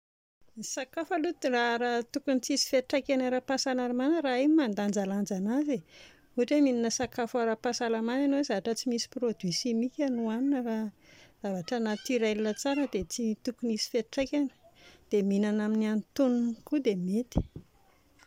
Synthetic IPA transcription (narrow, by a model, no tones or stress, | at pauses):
nisakafəlut̪iraɾat̪ukunit͡sisi̥feʈ͡ʂajkʲanəɾapasalaɾumanəɾaemimand̪and͡ʒaland͡ʒanaze | uaʈ͡ʂemininəsakafəɾapasalamananowezavaʈ͡ʂət͡simisi̥pɾod̪wisimikʲanuaninəraz̥avaʈ͡ʂənat̪iɾalilət͡saɾəd̪et͡sit̪ukunisi̥feʈ͡ʂakʲanə̥d̪̥eminanaminiant̪ununkud̪emet̪i̥